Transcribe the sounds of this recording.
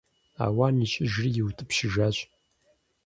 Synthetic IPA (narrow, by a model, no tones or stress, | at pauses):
a̰ːwaːniːt͡ʃʼɪʒrijɪwtʰɨpʃɪʒaːɕʼ